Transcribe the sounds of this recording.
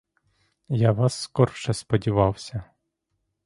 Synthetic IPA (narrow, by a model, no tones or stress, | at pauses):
jaʋɑsːkɔrʃɛspɔdʲiʋɑwsʲɐ